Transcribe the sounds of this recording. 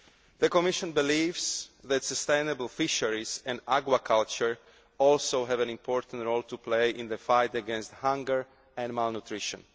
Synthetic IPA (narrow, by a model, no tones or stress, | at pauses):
ðəkɔmiʃɔ̃nbilivzðɛt̪səst̪ẽjnəbəlfiʃəɹizɛ̃naɡwakʰalt͡ʃəɹ | ɔlsowɦɛvɛ̃nĩmpʰɔɹt̪ãntɹolt̪uplejʔɪ̃nðəfajt̪əɡɛ̃nst̪hãŋɡəɹ | ɛ̃nmalnut̪ɾiʃɔ̰̃n